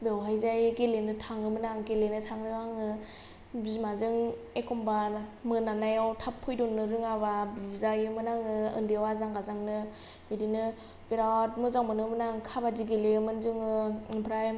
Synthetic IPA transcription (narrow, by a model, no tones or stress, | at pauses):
bewɦajzajɡelenɯtʰaŋɯmɯnaŋɡelenɯtʰaŋɯaŋɯ | bizimazɯŋ | ekʰɔmbamɯnanajawtʰapʰːɯjdɔnːɯɾɯŋaβabizizajɯmɯnaŋɯɯ̰ndiwazaŋɡazaŋnɯ | bedinɯ | beɾawtmɯzaŋmɯnɯmnaŋkʰabadiɡeleɯmɯnzuŋɯpʰɾaj